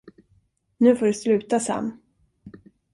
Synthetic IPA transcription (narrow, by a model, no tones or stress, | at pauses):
nʉ̟ːfoːɖɵslʉ̟ːt̪asa̰mː